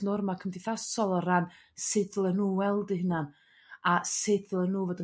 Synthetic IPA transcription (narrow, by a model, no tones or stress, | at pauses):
nʊrmakʰəmdɪθasɔlˠɔɾan | sedlˠənuːwɛlˠdiɦənan | asedvəlˠənuːvoːdə